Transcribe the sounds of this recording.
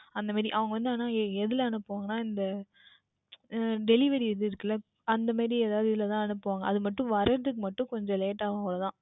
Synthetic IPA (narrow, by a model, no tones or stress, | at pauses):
ɐnd̪ɐmaːɾiʔɐʋɐŋɡɐʋɐnd̪aːnaːɛðɯlɐɐnɯpːɯʋaːŋɡɐnaːɪnd̪ɐ | ɖɛlɪʋɐɾiɪðɯɪɾɯkːɐlːɐ | ɐnd̪ɐmaːɾieːðaːʋðɯɪðɪlɐt̪ãːɛnɯpːɯʋaːŋɡɐʔɐðɯmɐʈːɯ̃ʋɐɾɐɾɐðɯkːɯmɐʈːɯ̃kɔɲd͡ʒɔ̃leːʈːaːʋɐɡɐɭɐt̪ãː